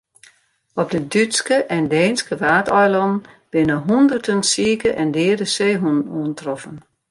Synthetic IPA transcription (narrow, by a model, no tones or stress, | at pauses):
ɔp̚dədytskəʔɛndɛːnskəʋaːtɔjlɔnn̩ | b̥ɪnəɦundərtʰənsiːəkəʔɛndɪːdəseːɦunənuəntrɔfən